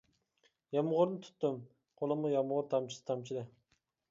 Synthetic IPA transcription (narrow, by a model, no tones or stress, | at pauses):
jɑmʁʊɾnɪt̪ʰy̥t̪ːym | qʰolˠəmʊjɑmʁʊɾt̪ʰɑmt͡ʃʰi̥sɨ̥t̪ʰɑmt͡ʃʰilɪ